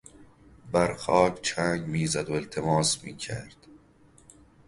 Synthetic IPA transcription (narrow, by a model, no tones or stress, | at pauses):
bæɾxɒːkʰt͡ʃʰæŋɡmiːzæd̪oelt̪ʰemɒːsmiːcʰæ̰ɾd̪̥